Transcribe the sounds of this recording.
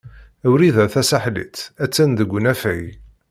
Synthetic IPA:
æwɾiðæθæsaħlḭt͡sːæt͡sːænd̪əɡʷːnæfæj

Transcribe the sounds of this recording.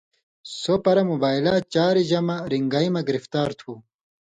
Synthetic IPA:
sopɐɾɐmubaːjlat͡ɕaːɾiʑɐmaɾiŋɡaimɐɡiɾift̪aːɾt̪ʰu

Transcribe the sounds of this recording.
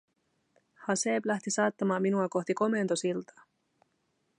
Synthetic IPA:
hɑseːblæht̪isɑːt̪ːɑmɑːminuɑko̞ht̪iko̞me̞nt̪o̞silt̪ʰɑ̥

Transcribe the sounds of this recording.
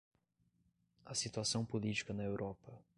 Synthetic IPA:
ɐsit̪uasɐ̃w̃polit͡ʃi̥kɐnɐewɾʔɔpɐ

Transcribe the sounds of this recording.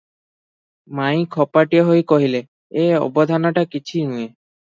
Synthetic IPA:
maj̃kʰɔpaʈieɦojkoɦile | eɔ̰bod̪ʱanaʈakit͡ɕʰinue

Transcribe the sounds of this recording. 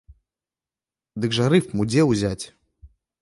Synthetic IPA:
d̪ɨɡʐɐɾɨfmud͡zʲɛwzʲat͡sʲ

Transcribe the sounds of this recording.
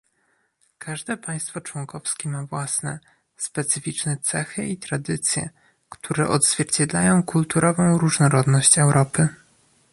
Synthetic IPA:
kʰaʐd̪ɛpaj̃st̪fɔt͡ʂwɔŋkɔfskʲɛmavwasnɛ̰ | spɛt̪sɘfʲit͡ʂnɛt̪sɛxɘit̪ɾad̪ɘt̪sʲjɛ̰ | kt̪ʰuɾɛ̰ʔɔd̪z̥vʲjɛɾt͡ɕɛd̪lajɔ̃w̃kult̪uɾʔɔvɔ̃w̃ɾuʐnɔɾɔd̪nɔɕt͡ɕɛwɾʔɔpɘ

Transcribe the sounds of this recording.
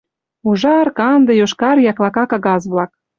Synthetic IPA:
uʒɑrkɑnd̪əjoʃkɑɾjɑklɑkɑkɑɣɑzβlɑk̚

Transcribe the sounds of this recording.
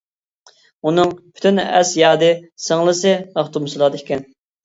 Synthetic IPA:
unɨŋpʰy̥t̪ʰynɛ̰sjɑːd̪ɨsəŋlˠɨsɨɑχt̪umɨsɨlˠɑd̪ekʲɛn

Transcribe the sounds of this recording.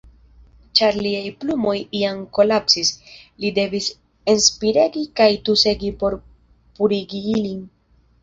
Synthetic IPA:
t͡ʃaɾliajplumo̞jiamko̞lapsislide̞vis | enspiɾe̞ɡikajtuse̞ɡipo̞ɾ | puɾiɡiilin

